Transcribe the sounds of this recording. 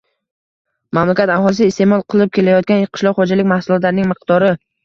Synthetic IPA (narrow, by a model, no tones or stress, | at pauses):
mamlakʲat̪aɦɒlˠɪs̬ɪst̪emɒlˠqʰɨlˠɪp̚kʲʰe̞lajɒt̪̚ɡʲanjeqʰɨ̥ʃlɒɾχod͡ʒalɪk̚ʲmahsʊlˠɒt̪laɾɪnɪŋmɨq̚t̪ɒɾɪ